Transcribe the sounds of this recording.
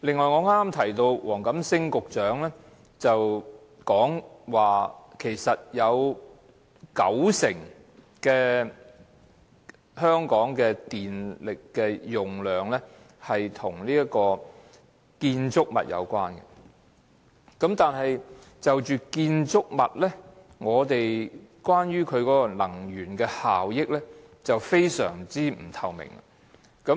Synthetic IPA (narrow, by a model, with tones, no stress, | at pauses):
lɪ˨ŋːɔː˨jŋɔː˨˧ŋaː˥ma˥mt̪ʰɐ˨˩jt̪o˧wwɔ̰ː˨˩ŋkɐ˨˥msɪ˥ŋkʊ˨k̚t͡ʃœː˨˥ŋlɛː˥ | t͡sɐ˨w | kɔː˨˥ŋwaː˨kʰe˨˩jsɐ˨t̚jɐ˨˧w | kɐ̰˨˥wsɪ˨˩ŋ | kɛː˧ | hœː˥ŋkɔː˨˥ŋkɛː˧t̪iː˨nlɪ˨kːɛː˧jʊ˨˩ŋlœː˨˩ŋlɛ˥ | hɐ˨jt̪ʰʊ˨˩ŋliː˥jɐ˥kɔː˧ | kiː˧nt͡sʊ˥k̚mɐ̰˨t̚jɐ̰˨˧wkwaː˥nkɛ̰˧ | kɐ˨˥mt̪aː˨nɦɐ˨j | t͡sɐ˨wt͡ʃyː˨kiː˧nt͡sʊ˥k̚mɐ̰˨t̚lɛ˥ | ŋɔː˨˧t̪e˨jkwaː˥nɥyː˥kʰɵ˨˧ɥkɔː˨˥kɔ˧nɐ˨˩ŋjyː˨˩nkɛː˧haː˨wjɪ˥k̚lɛː˥ | t͡sɐ˨wfe˥jsœ̰ː˨˩ŋt͡siː˥m̩˨˩t̪ʰɐ˨˧wmɪ̰˨˩ŋa̰˧ | kɐ˨˥